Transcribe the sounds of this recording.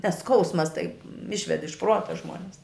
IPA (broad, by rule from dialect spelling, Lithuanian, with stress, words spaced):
nʲɛs ˈskɐʊsmɐs tɐɪp ˈɪʃʲʋʲɛt ɪʃ ˈpruɔtɐ ˈʒmuɔnʲɛs